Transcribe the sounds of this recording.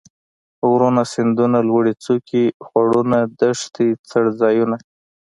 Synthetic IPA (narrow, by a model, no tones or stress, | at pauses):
wɾonasɪnd̪unalwəɽit͡sokixwaɽunad̪aʂt̪it͡saɽzɑjuna